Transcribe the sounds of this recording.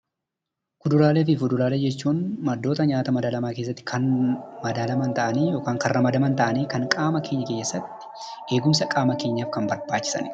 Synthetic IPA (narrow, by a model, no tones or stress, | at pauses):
kʊd̪ʊɾaːleːfɪfʊd̪ʊɾaːleːd͡ʒɛt͡ʃːuːnmɐd̪ːo̞ːt̪ɐɲaːt̪ɐmɐd̪alɐmaːke̞ːs̬ːɐt̪ːɪ̥kʰɐnmɐd̪alɐmɐnt̪ɐʔɐniːjo̞ːkaːŋkɐrrɐmɐd̪ɐmɐnt̪ɐʔɐniːkɐŋkʼaːmɐke̞ːɲːɐkeːɲːɛsːɐt̪ːɪ̥ | ʔe̞ːɡʊmsɐkʼaːmɐke̞ːɲːaːfkɐmbɐɾbaːt͡ʃːɪ̥sɐ̰n